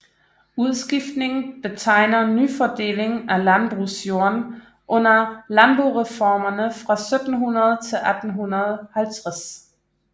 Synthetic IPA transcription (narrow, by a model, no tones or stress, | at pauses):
uð̞ˠsɡ̥ifd̥ne̝ŋ̩b̥e̝t͡sʰɑ̈ɪ̰nɐnyfɒd̥e̝̰ːle̝ŋælænb̥ʁusjo̝ɐn | ʔɔ̽n̰ɐlæmb̥oʁɛfɒːmɐnəfʁɑ̈sød̥n̩ɦunɐð̞ˠt͡sʰe̝lʔæd̥n̩ɦunɐðˠhælt͡sʰʁas